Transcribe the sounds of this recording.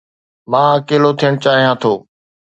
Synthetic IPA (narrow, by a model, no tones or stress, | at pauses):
mãːəkeːlot̪ʰijəɽ̃t͡ɕaːɦijãːt̪ʰoː